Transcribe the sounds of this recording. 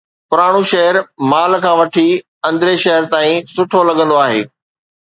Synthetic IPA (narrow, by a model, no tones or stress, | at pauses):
pʊɾaːɽ̃uʃɐɦəɾmaːlkʰãːʋɐʈʰi | ɐ̃nd̪ɾeʃɐɦəɾt̪aːĩsʊʈʰolɐɠə̃nd̪oaːɦḛː